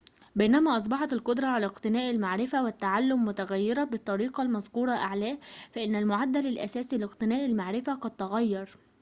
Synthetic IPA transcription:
bænæmæːʔɑs̬ˤbɑħɑt̪ɪlqʊd̪ɾˤɑʕalæqt̪ɪnæːʔalmaʕɾɪfæwɪt̪ːaʕalːʊmːʊt̪aɣæjːɪɾɑbɪt̪ˤːɑɾiːqɑlmɑzquːɾˤɑʔaʕlæːfæʔɪnːælmʊʕad̪ːælɪlʔæ̰sæːsilɪqt̪ɪnæːʔɪlmaʕɾɪfaqɑd̪̚t̪ɑɣæjːɑɾˤ

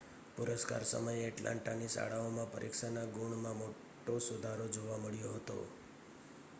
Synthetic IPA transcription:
pʊɾəska̰ɾsə̰məjeəʈlʔã̰ɳʈanisa̰ɭaomãpə̰ɾʔikʃanaɡuɳmãmo | ʈosʊd̪ʱaɾod͡ʒoʋaməɭjoɦət̪o̰

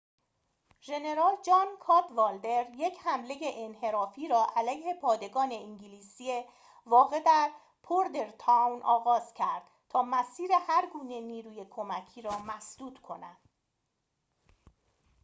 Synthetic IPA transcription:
ʒe̞ne̞ɾɒːld͡ʒɒːnkʰɒːd̪vɒːld̪e̞ɾje̞cʰhæmle̞jeʔenhe̞ɾɒːfiːɾɒːʔælæjhe̞pʰɒːd̪e̞ɡɒːne̞iɲɟiliːsie | vɒːɣe̞d̪æɾ | pʰoɾd̪eɾt̪ʰæwnʔɒːɣɒːz̥cʰæɾd̪̥̚ | t̪ʰɒːmæsiːɾe̞hæɾɡuːne̞niːɾuːje̞kʰo̞mæcʰiːɾɒːmæsd̪̥uːt̪kʰo̞̰næd̪̥

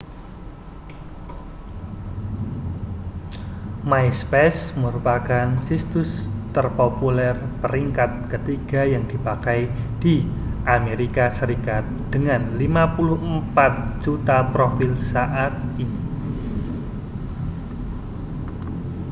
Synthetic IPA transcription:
majspɛsməɾupakansist̪ʊst̪ərpopulɛrpəɾiŋkat̪̚kət̪iɡ̥a̤jaŋd̥i̤pakajd̥iʔameɾikasəɾikat̪̚d̥əŋanlimapulʊhəmpat̪̚d͡ʒut̪apɾofilsaʔat̪̚ini

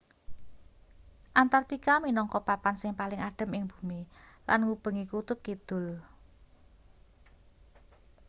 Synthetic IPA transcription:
ʔant̪art̪ikaminɔŋkɔpapansɪŋpalɪŋaɖ̥ə̤mɪŋb̥ṳmilanŋub̥ə̤ŋikut̪ʊp̚kid̪̥ʊ̤l

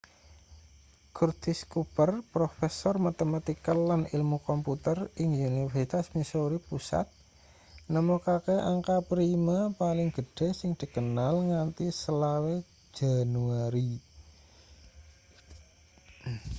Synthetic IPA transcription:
kurt̪iskupərpɾofesɔrmat̪emat̪ikəlanilmukɔmput̪ərɪŋjunifɛrsit̪asmisoɾipusa̰t̪̚ | nəmokakeʔa̰ŋkapɾimapalɪŋɡ̥əɖ̥e̤sɪŋd̪̥i̤kənalŋant̪isəlawe̥ | d͡ʒ̥a̤nuaɾi

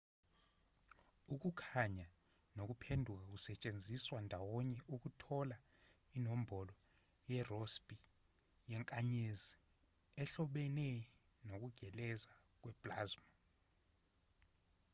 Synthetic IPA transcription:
uk̬ukʰaɲa | nok̬upʰendʱuk̬ak̬usɛt͡ʃʼend͡zʱiswandʱawɔɲɛʔuk̬utʰɔla | inom̩bʱɔlɔ | jɛrospʼi | jɛŋkʼaɲezi | ɛɬɔɓɛnɛ | nok̬uɡ̥ʱɛlɛza | k̬wɛb̥laːzma

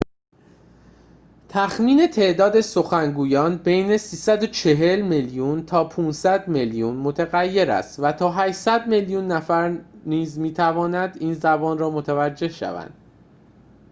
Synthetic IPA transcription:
t̪ʰæxmiːne̞t̪ʰe̞ʔd̪ɒːd̪e̞so̞xæŋɡuːjɒːnbe̞jne̞siːsæd̪o̞t͡ʃʰe̞ɦe̞lmeljunt̪ʰɒːpʰuːnsæd̪meljunmo̞t̪ʰeɣæjːe̞ɾæ̰st̪væt̪ʰɒːɦæʃsæd̪me̞ljunːæfæɾniːzmiːt̪ʰævɒːnæd̪iːnzæbɒːnɾɒːmo̞t̪ʰævæd͡ʒːe̞hʃæ̰væ̰nd̪̥

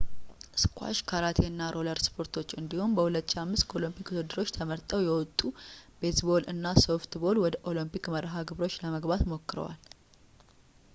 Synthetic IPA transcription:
skʰʷwa̰ʃkʰaɾat̪ʰeɨnːaɾʔo̞ləɾspʰo̞ɾt̪ʰo̞t͡ʃːɨnd̪iho̞nbəhulət̪ːʃamːɨskʰo̞lɨmpʰikud̪ɨd̪ːɨɾo̞t͡ʃːt̪ʰəməɾt̪ʼəwjɛwɔt̪ʼːub̥e̞t̪bo̞lɨnːaso̞ft̪bo̞lwɔd̪əʔo̞limpikməɾɦaɡɨβɾo̞t͡ʃːləməɡbat̪mo̞kːɨɾə̰wa̰l

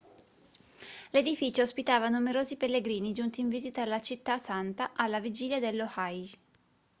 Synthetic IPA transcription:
led̪ifiːt͡ʃoospit̪aːvanumeɾoːzipelːeɡɾiːnid͡ʒunt̪iːɱviːzit̪aalːat͡ʃit̪ːasant̪aʔalːavid͡ʒiːljad̪elːohaj

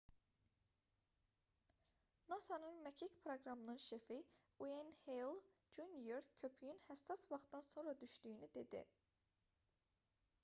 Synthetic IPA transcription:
nɑsɑnɯnmæcʰicpʰɾoɡɾɑmɯnɯnʃefi | uenhelˠd͡ʒunjeɾcʰø̞pʰyjynhæsːɑsvɑχt̪d̪ɑnso̞nɾɑd̪yʃd̪yjynyd̪e̞d̪ḭ

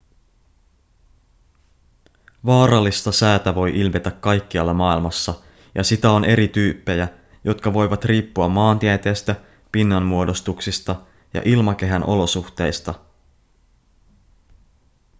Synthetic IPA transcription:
ʋɑːɾɑlːist̪ɑsæːt̪æʋo̞jʔilmet̪ækːɑjkːiɑlːɑmɑːilmɑsːɑ | jɑsit̪æo̞nʔe̞ɾit̪yːpːe̞jæ | jo̞t̪kɑʋo̞jʋɑt̪riːpːuɑmːɑːnt̪iæt̪e̞ːst̪æ | pinːɑnmuo̞do̞st̪uksist̪ɑ | jɑ̰ʔilmɑk̟e̞ɦænʔo̞̰lo̞suxt̪e̞jst̪ɑ

